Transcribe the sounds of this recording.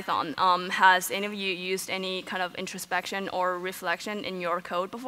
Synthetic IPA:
θɑ̰̃nʌ̃məzɛniʌvjʉjʉzdɛnikʰãɪ̃ndʌvɪ̰̃ntt͡ʃɹ̥ɨspɛkʃɨ̃nə˞ɹɨflɛkʃɨ̃nʔɪ̰̃njə˞kʰoʊd̚bəf

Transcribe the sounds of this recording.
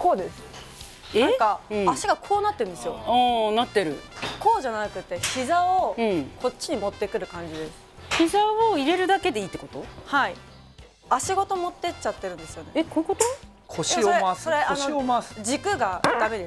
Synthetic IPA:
ko̞ːd̪e̞sɨ̥ | eãkãːɕiɡakʰo̞ːnat̪ːeɾɯ̟nd̪esɨjo̞ãːnat̪ːe̞ɾɯ̟̰ko̞ːʑanakɯ̟t̪ːe̞çizaoɯ̃ko̞tɕːiɲ̟imo̞t̪ːe̞kɯ̟ɾɯ̟kãɲ̟d͡ʑid̪e̞sɨ̥ | çizaoiɾe̞ɾɯ̟d̪ake̞d̪e̞iːt̪ːe̞ko̞t̪ohai | aɕiɡo̞t̪o̞mo̞t̪ːe̞t͡ɕat̪ːe̞ɾɯ̟̃nd̪e̞sɨjo̞ne̞ekoikot̪o | kʰoɕoɾeasoɾe̞anoomasd͡ʑikɯ̟ɡad̪ame̞d̪e

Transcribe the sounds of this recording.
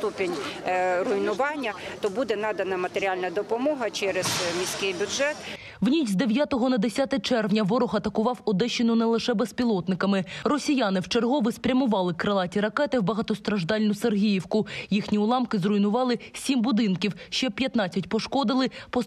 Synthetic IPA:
t̪upʲenʲrʊinʊʋɑnʲːɐt̪ɔbud̪ɛnɑd̪ɐnɐmɐt̪eɾʲalʲnɐd̪ɔpɔmɔɦɐt͡ʃɛɾez̥mʲisʲkɪjbʲʊdʒɛt̪ | wnʲit͡ʃʲzd̪eʋʲjat̪ɔɦɔnɐd̪esʲat̪ɛt͡ʃɛrwnʲɐʋɔɾɔxɐt̪ɐkʊʋɑwɔd̪ɛʃenʊnɛlˠɪʃɛbɛspʲilˠɔt̪nɪkɐmɪrɔsʲijɑnɪwt͡ʃerɦɔʋɪspɾʲɐmʊʋɑlˠɪkɾɐlˠɑtʲiɾɐkɛt̪ɪwbɐɦɐt̪ɔst̪ɾɐʒd̪ɑlʲnʊserɦʲijiwkʊjixnʲiʊlˠɑmkɪzrʊjnʊʋɑlˠɪsʲimbʊd̪ɪnkʲiwʃt͡ʃɛpʲjɐt̪nɑt͡sʲːɐtʲpɔʃkɔd̪ɪlˠɪpɔ

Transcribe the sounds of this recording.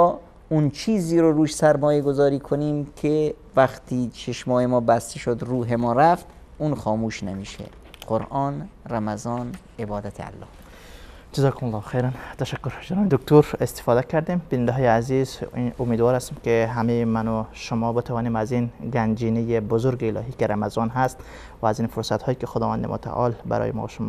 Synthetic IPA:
unt͡ʃʰiːziːɾoɾuːʃsæɾmɒːjeɡozɒːɾiːkʰoniːmkʰe | væxt̪ʰiːt͡ʃʰeʃmɒːhemɒːbæst̪eʃod̪ɾuːɦe̞mɒːɾæft̪ | uːnxɒːmuːʃnemiːʃḛ | qoɾʔɒːnræmæzɒːn | ebɒːd̪æt̪ʰḛæ̰lːɒ̰ːh | d͡ʒazɒːkʰomalˠːɑːxejɾænt̪ʰæʃækːoɾd͡ʒenɒːmed̪ok̚t̪ʰoɾest̪e̥fɒːd̪ækʰæɾd̪imbinænd̪eɦɔːjeæzizomeːd̪vɒːɾhæst̪omkeɦæmejemænoʃomɒːbet̪ʰavɒːniːmæzinɡænd͡ʒiːnejebozoɾɡeːlɒ̰ːɦiːkeɾæmazɒːnɦæst̪ | væːziːnfoɾsæt̪hɒːjikexod̪ɒːvænd̪ḛmʔo̰t̪ʰa̰ʔɒːlbæ̰ɾɒ̰ːjḛmɒ̰ːʃomː

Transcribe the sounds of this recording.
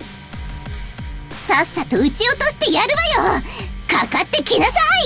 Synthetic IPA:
sasːat̪o̞ɯ̟t͡ɕio̞t̪o̞ɕi̥t̪e̞jaɾɯ̟βajokakat̪ːe̞kʲinasai

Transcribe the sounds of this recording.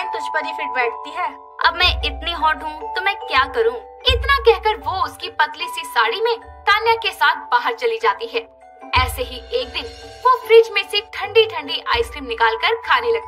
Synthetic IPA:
t̪ʊd͡ʒʱpɐɾifɪʈ̚bɛːʈ̚ʰt̪iɦɛː | ɐ̰bmɛ̃ɪt̪niɦɔːʈɦũt̪omɛ̃ːkjaːkɐɾũː | ɪt̪nakɛɦkəɾʋoʊskipɐt̪lisisaːɽimẽt̪aːnjakesaːt̪ʰbaːɦəɾt͡ʃɐlid͡ʒaːt̪iɦɛː | ɛːseɦieːk̚d̪ɪnʋofɾɪt͡ʃmẽsɪfʈʰɐ̃ɳɖiʈʰɐ̃ɳɖiʔaːɪskɾiːmnɪkaːlkəɾkʰaːnelɐɡ̪

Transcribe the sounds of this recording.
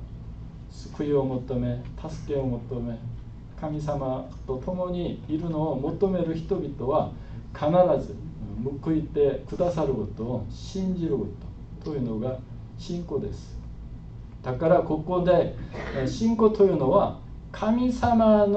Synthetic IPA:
sɨ̥kɯ̟io̞mo̞t̪o̞me̞t̪ʰasɨ̥ke̞o̞mo̞t̪o̞me̞ | kʰamʲis̬ama | t̪o̞t̪o̞mo̞ɲ̟iːɾɯ̟no̞ːmo̞t̪o̞me̞ɾɯ̟çi̥t̪o̞bʲit̪o̞βa | kʰanaɾazɨmɯ̟kɯ̟it̪e̞kɯ̟d̪asaɾɯ̟ko̞t̪oːɕĩɲ̟d͡ʑiɾɯ̟kot̪o | t̪ojɯ̟no̞ɡa | ɕĩŋko̞d̪e̞̰sɨ̥ | d̪̥akaɾako̞ko̞d̪e̞ɕĩŋko̞t̪o̞jɯ̟ːno̞βa | kʰamʲisaman

